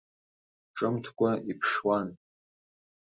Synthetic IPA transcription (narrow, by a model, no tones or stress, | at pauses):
ʈ͡ʂʼɨmtʰkʷʼaipʰʂwan